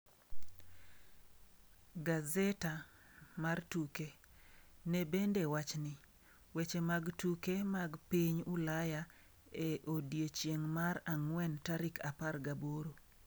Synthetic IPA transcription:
ɡazɛta | martuke | nebendewat͡ʃnɪ | wet͡ʃemaɡtukemaɡpiɲulaja | eʔodjet͡ʃjeŋmaɾaŋwɛntaɾɪkaparɡaboɾo

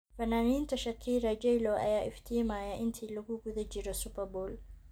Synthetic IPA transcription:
fɐnaːniːnt̪ʰɐʃɐkʰːiːɾɐd͡ʒɛjlɔʔɐ̰jaːʔɪft̪ʰiːmaːjɐʔɪnt̪ʰiːlɐɣʊɡʊðɐd͡ʒɪɾɔsʊpɐrbɔːl

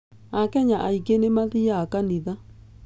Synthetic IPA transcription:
akɛɲaʔaikenemaðiakaniða

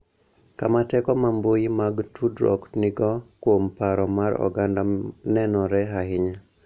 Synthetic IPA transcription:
kamatɛkɔmambojimaɡtʰudɾɔ̰knɪɡɔkwompaɾɔmaɾɔ̰ɡandanɛnɔɾɛɦaɦɪɲa

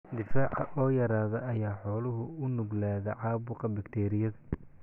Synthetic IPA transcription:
d̪ɪfaːʕɐʔɔːjɐɾaːðɐʔɐjaːħɔːlʊɦʊʊnʊɡlaːðɐʕɑːβʊqɐbɐkt̪ʰɛːɾɪjɐðɐ

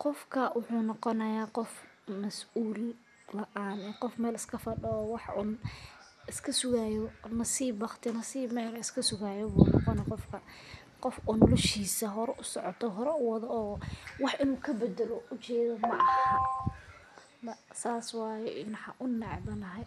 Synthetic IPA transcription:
qɔfkʰɐwʔʊħuːnɔqɔnɐjaːqɔfmɐsʔuːlː | ɐʔaːnɛːqɔfmɛːlɪskʰɐfɐɖɔɔːwɑħʔʊ̰ːn | ɪskʰɐsʊɣaːjɔnɐsiːbɑχt̪ʰɪnɐsiːbmɛːlɐɪskʰɐsʊɣaːjɔbuːnɔ̰qɔnɐjaqɔfkʰɐ | qɔfʊnɔlɔʃiːsɐɦɔɾɛʔʊsɔʕɔt̪ʰɔɦɔɾɛʊwɑðɔɔːwɑħʔɪnuːkʰɐbɐd̪ɐlɔʔʊt͡ʃɛːðɔmɐʔɑhhɐ | mɐsaːswɑːjɛɪnħɑʔʊnːɛʕdɐnɐɦɛ

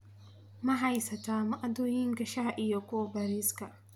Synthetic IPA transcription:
mɐɦɐjsɐt̪amɐʔad̪oːjiŋkɐʃaɦaʔɪjɔkɔbɐɾiskɐ

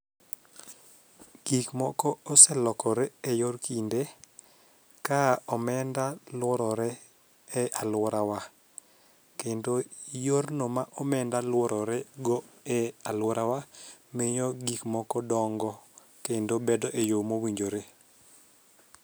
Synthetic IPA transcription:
ɡ̥ikmɔkɔɔsɛlɔkɔɾeejorkinde | kaɔmɛndalwɔɾɔɾɛ | ɛʔalwɔɾawa | kendojornomaʔɔmɛndalwɔɾɔɾɛɡɔɛalwɔɾʔawameɲɔɡikmɔkɔdɔŋɡɔ | kendobɛdɔʔejomowiɲd͡ʒoɾe

